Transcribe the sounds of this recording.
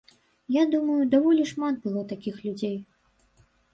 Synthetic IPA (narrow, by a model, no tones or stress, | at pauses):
jad̪umɐjud̪avɔlʲiʂmat̪̚bɨlˠɔt̪akʲixlʲud͡zʲej